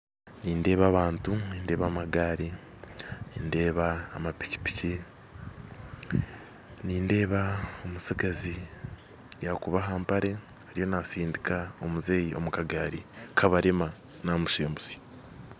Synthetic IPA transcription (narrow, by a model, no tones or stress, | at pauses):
niːnde̞ːβaːβaːntuniːnde̞ːβaːmaɡaːɾi | niːnde̞ːβaːmapi̥ci̥pi̥ci | niːnde̞ːβaomusiɡazi | jakuβaɦaːmpaɾe̞ | haɾijo̞naːsiːndikaomuze̞ːjio̞̰mukaɡaːɾikʰaβaɾema | namuʃeːmbusi̥